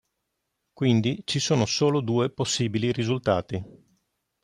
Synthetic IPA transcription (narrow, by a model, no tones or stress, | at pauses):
kwind̪it͡ʃisoːnosoːlod̪uːeposːiːbilirizult̪aːt̪i